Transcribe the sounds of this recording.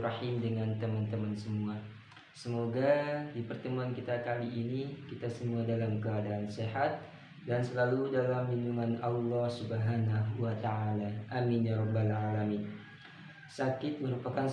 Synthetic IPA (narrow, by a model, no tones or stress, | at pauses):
rɑħimdəŋant̪əmant̪əmansəmua | səmoɡadipərt̪əmuankit̪akaliʔːnikit̪asəmuadalamkəadaːnseɦat̪̚ | dansəlaludalambinduŋanɑlːɑhsubəɦanaɦuat̪aʕalaʔaminjaɾɔbːalʕalamin | sakɪt̪̚məɾupakan